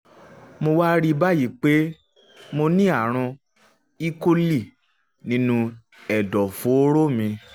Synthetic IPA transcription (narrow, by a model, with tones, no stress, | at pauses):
mo˧wa˦ɾi˦˧ba˦ji˨˦k͡pe˦ | mo˧nĩ˦a˦˨ɾ̃ã˧ | i˦ko˧li˦˨ | nĩ˨˦nũ˧ | ɛ˨dɔ˨fo˨˦ɾo˦˨mĩ˧